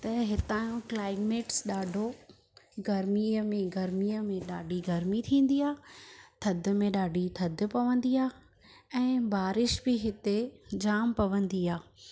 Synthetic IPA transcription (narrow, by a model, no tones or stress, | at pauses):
t̪ɐɦɪt̪aːjũklaːɪmeːʈsɗaːɖʱo | ɡɐɾmiəmẽɡɐɾmiəmẽɗaːɖʱiɡɐɾmit̪ʰĩːn̆d̪iaːt̪ʰɐd̪ʱʊ̆mẽɗaːɖʱit̪ʰɐd̪ʱʊ̆pɐʋə̃nd̪iaː | ɛ̃ːbaːɾɪʃbɪɦɪt̪ed͡ʑaːmpɐʋə̃nd̪iaː